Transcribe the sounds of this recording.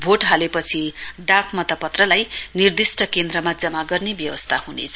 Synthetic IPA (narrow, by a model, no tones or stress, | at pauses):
bʱoʈɦalepʌt͡sʰiɖapʰmʌt̪ʌpʌt̪rʌlajnird̪isʈʌkend̪ɾʌmad͡zʌmaɡʌrnebjʌwʌst̪ʰahunḛt͡sʰʌ